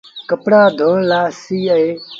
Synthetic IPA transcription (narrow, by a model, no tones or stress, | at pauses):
kəpɽaːd̪ʱoːlaːsiːəe